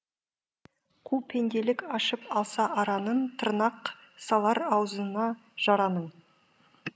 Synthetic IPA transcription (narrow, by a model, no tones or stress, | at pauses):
kʰupʰe̞nd̪e̞lɪkɑʃəpɑlˠsɑʔɑɾɑnəɴt̪ʰəɾnɑqsɑlˠɑɾɑwzənɑʒ̥ɑɾɑnəɴ